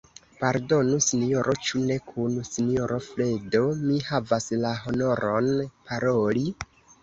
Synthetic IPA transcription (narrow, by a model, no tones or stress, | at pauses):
paɾdo̞nusinijo̞ɾʔot͡ʃune̞kʰunsinioɾofle̞do̞mihavaslaɦo̞no̞ɾʔonpaɾoli